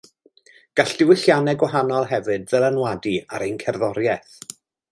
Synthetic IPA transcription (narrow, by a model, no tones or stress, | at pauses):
ɡ̥aɬd̥ɪwɪɬjanɛɡwaɦanɔlˠɦɛvɨd̚ðɛlˠanwadiaɾejnkʰɛrðɔɾjɛθ